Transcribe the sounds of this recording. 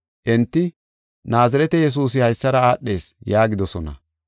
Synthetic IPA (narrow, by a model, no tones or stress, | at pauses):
ʔɪnt̪ːɪ | naːzɐɾɛt̪ɛjɛs̬uːs̬ɪhɐjsːɐɾɐaːɗːe̞ːsjaːɡɪd̪ɔsɔnɐ̰